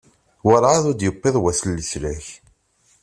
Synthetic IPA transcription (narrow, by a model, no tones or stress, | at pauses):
wəɾˤʕaðʊd̪jəpːeðˤwæsəlːəslæç